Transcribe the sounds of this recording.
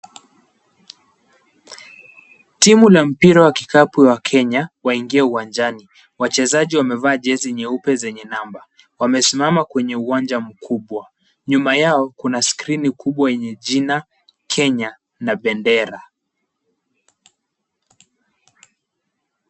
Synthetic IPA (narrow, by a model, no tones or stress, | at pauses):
timulam̩piɾawakikapiwakʰɛɲawaiŋɡiɛuwand͡ʒani | wat͡ʃɛzaʄiwamɛvaːʄɛziɲɛupɛzɛɲɛnamba | wamɛsimamakwɛɲɛuwand͡ʒam̩kʰuɓwa | ɲumajaɔkunaskɾinikʰuɓwajɛɲɛʄina | kʰɛɲa | naɓɛndɛɾa